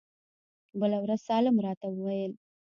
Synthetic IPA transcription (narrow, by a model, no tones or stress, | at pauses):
bəlawɾaz̥sɑlamɾɑt̪awəwajəl